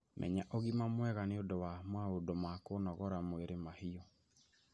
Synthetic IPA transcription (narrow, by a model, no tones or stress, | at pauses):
mʔɛ̰ɲaʔɔɣimamwɛɣaneodowamwaodomakonɔɣɔɾamoeɾemahiɔ